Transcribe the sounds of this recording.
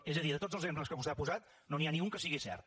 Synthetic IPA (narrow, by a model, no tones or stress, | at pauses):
ezəðiðət̪od͡zəlˠzempləskəβuseapuzat̪ | nonianiuŋkəsiɣisɛ̰rt̪̚